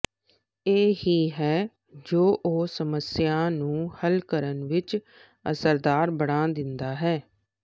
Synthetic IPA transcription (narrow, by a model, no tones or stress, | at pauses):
eːɦiːɦɛː | d͡ʒoːʔoːsəməsjãːnũːhəlkəɾənʋɪt͡ʃ | ə̰səɾd̪aːɾbəɽ̃ãːd̪ɪnd̪aːɦɛː